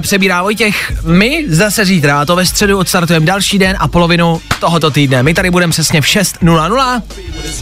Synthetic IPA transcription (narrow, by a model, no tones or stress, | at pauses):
pr̥ɛbiːɾaːvo̞jcɛxmɪzasɛziːt̪ɾat̪o̞vɛst̪r̥ɛduot̪st̪aɾt̪ujɛmdalʃiːdɛnʔapo̞lo̞vɪnut̪oɦot̪o̞t̪iːdnɛmɪt̪aɾɪbudɛmɛpr̥ɛsɲɛfʃɛst̪nulanula